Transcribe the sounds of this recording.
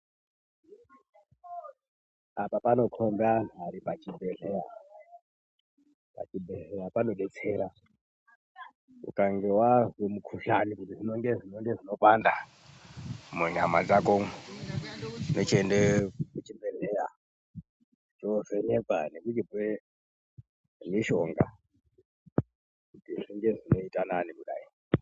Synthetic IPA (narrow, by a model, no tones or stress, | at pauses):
apapano̞kʰombanaɾipat͡ʃibʱeɮeja | pa̰t͡ʃibʱeɮejapano̞ɓet͡sʰeːɾa | ṵkaŋɡewazemukʰuʃanikutiʐinoŋɡeʐinoŋɡeʐino̞panda | muɲamad͡zako | not͡ʃendekut͡ʃibʱereja̰ | t͡ʃoʐeɲeva̰nekut͡ʃipe | miʃo̞ŋɡa̰ | kutiʐiŋɡe̞ʐino̞itananimuɗa̰i